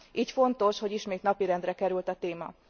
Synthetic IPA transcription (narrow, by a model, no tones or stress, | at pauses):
ʔiːcfo̞nt̪o̞ʃho̞ɟiʃmeːt̪nɒpiɾɛnd̪rɛkɛɾylt̪ɒt̪eːmɒ̰